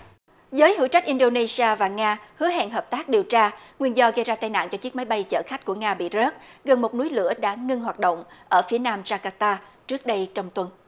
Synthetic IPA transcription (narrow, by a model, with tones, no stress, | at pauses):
zəː˨˦jhɨ̰˧˥t͡ɕa˦˥k̚ʔi˧nɗo˧ne˧si˧aː˧vaː˨˩ŋaː˧hɨ˨˦əɦɛ̰˧˨nɦəː˨˩p̚t̪aː˦˥k̚ɗi˨˩əwt͡ɕaː˧ŋwi˧ənzɔ˧ɣə˧jzaː˧t̪aː˧jna̰ː˧˨nt͡ɕɔ˧t͡ɕi˦˥k̚ma˨˦jɓa˧jt͡ɕə̰ː˧˩xa˦˥k̟̚ku˧˩əŋaː˧ɓḭ˧˨zəː˦˥t̚ɣə˨˩nmo˨˩t̚nu˨˦jlɨ̰˧˥əɗa̰ː˧˥˩ŋɨ˧ŋɦwaː˨˩t̚ɗo̰˧˨wŋ͡mʔəː˧˩fi˨˦ənaː˧mt͡ɕaː˧kaː˧t̪aː˧t͡ɕɨ˦˥ək̚ɗə˧jt͡ɕɔ˧wŋ͡mt̪wə˨˧˩n